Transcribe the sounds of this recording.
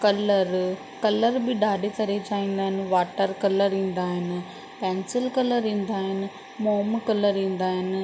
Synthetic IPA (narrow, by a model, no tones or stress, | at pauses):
kɐləɾ | kɐləɾbɪɗaːɖʱet̪ɐɾet͡ɕaːʋĩːn̆d̪aːɦɪnɪ̆ʋaːʈəɾkɐləɾĩːn̆d̪aːɦɪnɪ̆ | pɛ̃ːnsɪlkɐləɾĩːn̆d̪aːɦɪnɪ̆ | moːmkɐləɾĩːn̆d̪aːɦɪnɪ̆